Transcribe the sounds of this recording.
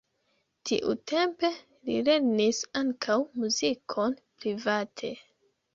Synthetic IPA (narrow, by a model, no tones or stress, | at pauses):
tḭʔṵtʰe̞mpe̞ | lḭle̞ɾnisaŋkʰawmuzikʰo̞npɾivatʰe̞